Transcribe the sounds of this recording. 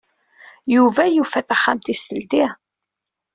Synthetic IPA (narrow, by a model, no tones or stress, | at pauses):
juvæjufæθæχːamt̪ist̪əlt̪i